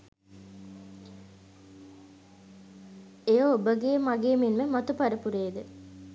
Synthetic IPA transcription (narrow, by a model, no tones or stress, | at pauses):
ejoobəɡeːmaɡeːminməmɐt̪upaɾəpuɾeːd̪ə